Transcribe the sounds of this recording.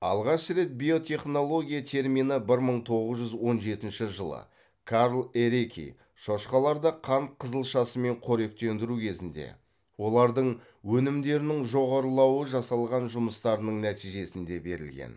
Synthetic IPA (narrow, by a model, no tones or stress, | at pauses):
ɑ̰lˠʁɑʃɾe̞t̪̚bʲijo̞t̪ʰʲe̞χno̞lˠo̞ɡʲijat̪ʰe̞ɾminəbɪɾməɴt̪ʰo̞ʁəzʒʏzwo̞nʒe̞t̪ɪnʃɪʒəlˠə̰ | kʰaɾlˠeɾekʲḭ | ʃoʃqɑlˠɑɾd̪ɑqʰɑnt̪̚qʰəzəlˠʃɑsəme̞ɴqʰoɾe̞k̚t̪e̞nd̪ɪɾukʲʰe̞zɪnd̪e̞̰ | wo̞lˠɑɾd̪əɴ | wɵnɪmd̪e̞ɾɪnɪŋʒo̞ʁɑɾəlˠɑwəʒɑsɑlˠʁɑnʒʊməst̪ɑɾənəɴnæt̪ijʒe̞sɪnd̪e̞be̞̰ɾɪ̰lɡʲḛn